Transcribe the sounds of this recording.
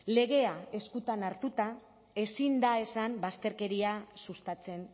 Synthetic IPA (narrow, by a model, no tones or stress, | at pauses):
le̞ɣe̞ae̞skut̪anaɾt̪ut̪a | e̞sind̪ae̞sambast̪e̞ɾke̞ɾiasust̪at͡se̞n